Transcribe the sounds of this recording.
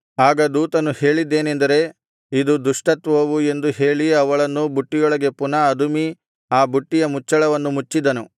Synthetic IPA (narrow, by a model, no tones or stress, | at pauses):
aːɡɐd̪uːt̪ɐnuhe̞ːɭid̪ːe̞ːnend̪ɐɾe̞ | id̪ud̪uʂʈɐt̪ʋɐʋue̞nd̪uhe̞ːɭiɐʋɐɭɐnːubuʈːijɔɭɐɡe̞punɐːd̪umi | aːbuʈːijɐmut͡ʃːɐɭɐʋɐnːumut͡ʃːid̪ɐnu